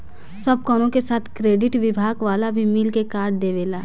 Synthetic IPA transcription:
səb̚kɔːnõkesaːt̪ʰkɾeːɖɪʈʋɪbʱaːɡʋaːlabʱimɪlkekaːɾɖd̪eːʋeːlaː

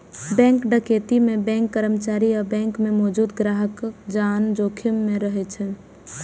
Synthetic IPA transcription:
bɛ̃ŋkɖəket̪imebɛ̃ŋkːəɾəmt͡ʃaɾiɔɾbɛ̃ŋkmemɔːd͡ʒud̪ɡɾaɦəkd͡ʒand͡ʒokʰimːeɾəɦɛt͡ʃʰɛ

